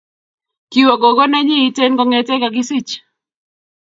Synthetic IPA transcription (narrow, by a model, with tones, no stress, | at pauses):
ki˨wɔ˨ɡo˨ɡɔ˦nɛ˦ɲɪ˦i˦te˦nɡɔ˦ŋɛ˨tɛ˦ka˨ɡɪ˦si˦t͡ʃ